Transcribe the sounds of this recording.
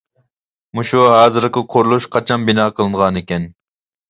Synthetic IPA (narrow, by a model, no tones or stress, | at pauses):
muʃuɦɑːzɨɾqɨqʰoɾlˠuʃqʰɑt͡ʃʰɑnbinɑːqʰəlˠɨɴʁɑnekʲɛn